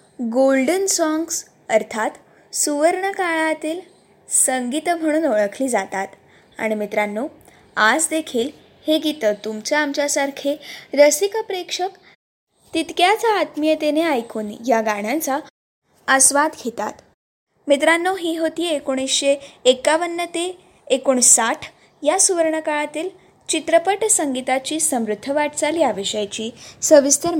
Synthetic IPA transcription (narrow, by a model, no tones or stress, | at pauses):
ɡolɖənsɔŋɡs | əɾt̪ʰat̪ | suʋəɾɳəkaɭat̪iːl | səŋɡit̪m̤əɽ̃uːnoɭəkʰliːd͡zat̪at̪ | a̰ɽ̃imit̪ɾanːo | ad͡zd̪ekʰiːl | heɡit̪ət̪umt͡ɕjaamt͡ɕjasaɾkʰeɾəsikəpɾekʂək | t̪it̪kjat͡saːt̪mijət̪eneajkʰuːnjaɡaɽ̃jãnt͡sa | əsʋad̪ɡʰʱet̪a̰t̪ | mit̪ɾanːoɦiːɦot̪iːekoɽ̃isɕeːkaʋənːət̪eː | koɳ̃saʈʰ | jasuʋəɾɳəkaɭat̪iːl | t͡ɕit̪ɾəpəʈsəŋɡit̪at͡ɕiːsəmɾud̪ʱːəʋaʈt͡saliaʋiɕəjt͡ɕiːsəʋist̪əɾ